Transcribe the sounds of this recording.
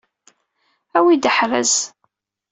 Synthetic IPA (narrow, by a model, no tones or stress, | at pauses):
æwid̪əħɾæ̰z